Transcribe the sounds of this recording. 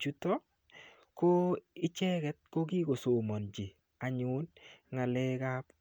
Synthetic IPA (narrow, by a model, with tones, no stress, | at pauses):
t͡ʃu˦tɔ˦ | ko˦ɪ˦t͡ʃɛ˦kɛ˨t̚ko˦ɡi˦ɡo˨so˨mɔ˨nd͡ʒe˨ | a˨ɲʊ˦nŋa˨lɛ˦ka˦p